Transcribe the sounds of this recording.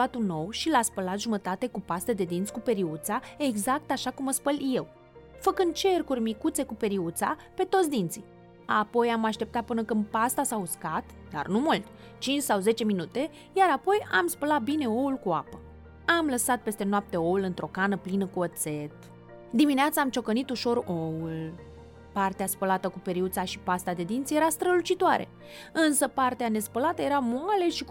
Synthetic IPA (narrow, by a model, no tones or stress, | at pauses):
at̪unːo̞wʃilaspəlat̪ʒumət̪at̪e̞kupast̪ed̪e̞d̪int̪skupe̞ɾiut̪sae̞ɡzak̚t̪aʃakumːəspəlje̞w | fəkɨnd̪̚t͡ʃe̞rkurʲmikut̪se̞kupe̞ɾiut̪sa̰pe̞t̪o̞t̪sʲd̪int̪si | apo̞jamaʃt̪e̞p̚t̪at̪̚pɨnəkɨnd̪̚past̪asauskat̪ | d̪a̰rnumult̪ʲ | t͡ʃint͡ʃʲsawze̞t͡ʃe̞minut̪e̞ | jaɾapo̞jamspəlat̪̚bine̞o̞ulkua̰pə | amləsat̪̚pe̞st̪e̞noap̚t̪e̞o̞ulɨnt̪ɾo̞kanəplinəkuot̪se̞t̪ | d̪imineat̪səamt͡ʃo̞kənit̪uʃo̞ɾo̞ul | part̪easpəlat̪əkupe̞ɾiut̪saʃipast̪ad̪e̞d̪int̪sijeɾast̪ɾəlut͡ʃit̪oaɾe̞̰ | ɨnsəpart̪eane̞spəlat̪əje̞ɾamoale̞ʃik